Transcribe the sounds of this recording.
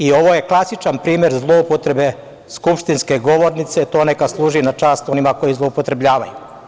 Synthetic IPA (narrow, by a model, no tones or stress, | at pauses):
io̞ʋoje̞klˠasit͡ʃanpɾiːmjeɾzlˠoupot̪ɾe̞be̞ | skupʃt̪inske̞ɡo̞ʋo̞ɾnit̪set̪o̞ːnekaslˠuːʒinat͡ʃaːst̪o̞nimako̞jizlˠoupot̪ɾe̞bʎaːʋa̰ju